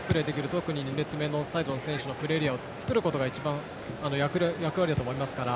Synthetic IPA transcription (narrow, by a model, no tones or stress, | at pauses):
pɯɾe̞ːd̪ekʲiɾɯ̟t̪o̞kɯ̟ɲ̟iɲʲine̞t͡sɨme̞ːno̞said̪o̞nsẽ̞ɰ̃ɕɨno̞pɯ̟ɾe̞ɾʲiao̞t͡sɨ̥kɯ̟ɾɯ̟ko̞t̪o̞ɡait͡ɕibãɴ̃ | ano̞jakɯ̟ɾjakɯβaɾʲid̪at̪oːmoimasɨ̥kaɾa